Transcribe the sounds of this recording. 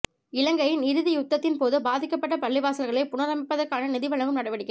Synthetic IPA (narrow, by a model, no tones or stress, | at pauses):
ɪlɐŋɡɐjɪnɪɾɯðɪjʊt̪ːɐt̪ːɪnpoːðɯbaːðɪkːɐpːɐʈːɐpɐɭːɪʋaːsɐlɣɐɭɐɪpʊnɐɾɐmɪpːɐðɐɾkaːnɐnɪðɪʋɐɭɐŋɡɯmnɐɽɐʋɐɽɪkːɐ